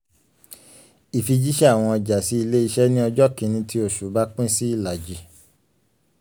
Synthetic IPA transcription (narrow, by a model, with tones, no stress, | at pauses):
i˨fi˧d͡ʒi˦ʃɛ˦a˦˨w̃ɔ̃˧ɔ˧d͡ʒa˨si˨˦i˧le˦i˧ʃɛ˦nĩ˦ɔ˧d͡ʒɔ˦kĩ˨˧nĩ˧tʰi˦o˦˨ʃu˨˦ba˦k͡pĩ˦si˦i˦˨la˨d͡ʒi˨